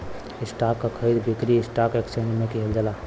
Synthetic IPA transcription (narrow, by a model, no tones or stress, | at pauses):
ɪsʈaːkːakʰəid̪bɪkɾiɪsʈaːkeksẽɳd͡ʒmẽkiɦeld͡ʒəlaː